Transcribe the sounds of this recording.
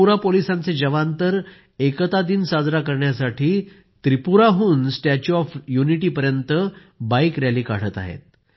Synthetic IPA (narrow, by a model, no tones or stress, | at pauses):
uɾapolisãnt͡sed͡ʑəʋant̪əɾ | ekət̪ad̪iːnsad͡zɾakəɾɳjasaʈʰiː | t̪ɾipuɾaɦuːnsʈat͡ɕuɔfjuniʈiːpəɾjənt̪ə | bajkɾjaliːkaɽ̤ət̪a̰ɦḛt̪̚